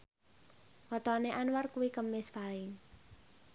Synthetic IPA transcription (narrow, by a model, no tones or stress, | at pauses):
wɔt̪ɔneʔanwarkuwikəmːɪspaɪŋ